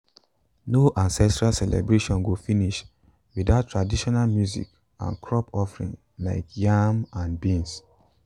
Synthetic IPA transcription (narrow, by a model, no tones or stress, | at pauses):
noʔãnsɛstɹalsɛlɛ̰bɹeʃɔ̃nwofiniʃ | wiðaʊtʰːɹadiʃɔnalmjuzḭk | ã̰nkʰɹɔpɔfɹḭ̃ŋ | laɪkjamãnbĩns